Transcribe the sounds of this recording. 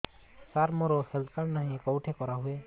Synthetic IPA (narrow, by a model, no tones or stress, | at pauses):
saɾmɔɾosəlkaɾnaɦĩkɔwʈʰekɔɾaɦue